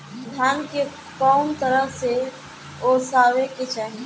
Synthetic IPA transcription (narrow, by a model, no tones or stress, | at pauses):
d̪ʱaːnke | kɔːnt̪əɾəɦse | osaːʋeket͡ʃa